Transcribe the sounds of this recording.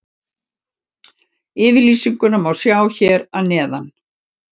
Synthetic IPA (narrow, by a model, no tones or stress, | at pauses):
ɪːvɪliːsiŋkʏnamawsjaːwçɛːɾanɛːðan